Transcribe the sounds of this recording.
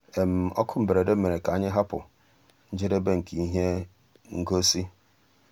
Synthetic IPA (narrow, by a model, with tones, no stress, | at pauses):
e˨m̩˨ɔ̰˦kʰʊ˦m̩˨be˨ɾe˨de˦m̩˦me˨ɾe˨ka˨a˦ɲɪ˦ɦa˦pʊ̰˨ | n̩˦d͡ʒe˦de˦be˦ŋ̩˨ki˨i˦ɦe˦ | ŋ̩˦ɡo˦si˦